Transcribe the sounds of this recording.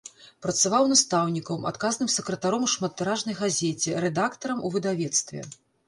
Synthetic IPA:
pɾɐt̪savawnast̪awnʲikɐwma̰t̪kaznɨmsɛkɾɐt̪aɾɔmuʂmɐt̪ːɨɾaʐnɐjɣazʲɛt͡sʲɛɾɛd̪akt̪ɐɾɐmuvɨd̪avʲɛt̪st̪vʲɛ̰

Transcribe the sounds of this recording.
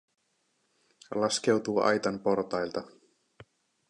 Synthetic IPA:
lɑske̞wt̪uːɑ̰jt̪ɑmpo̞rt̪ɑjlt̪ɑ

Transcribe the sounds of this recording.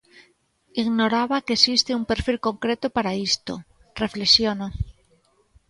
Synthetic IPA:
iɣnoɾaβakesist̪eumpeɾfilkoŋkɾet̪opaɾaist̪o | reflesjono

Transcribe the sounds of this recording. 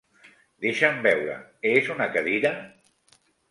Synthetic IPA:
d̪eʃambɛwɾə̰ezunəkɐðiɾə

